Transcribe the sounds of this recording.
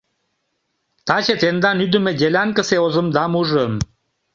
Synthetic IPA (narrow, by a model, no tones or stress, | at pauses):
t̪ɑt͡ɕet̪end̪ɑnyd̪ə̆mĕdʲelʲɑŋkə̆seozə̆md̪ɑmuʒəm